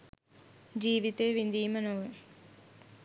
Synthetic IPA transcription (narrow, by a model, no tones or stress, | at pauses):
d͡ʑiːʋit̪eːʋind̪iːmɐnoʋɯ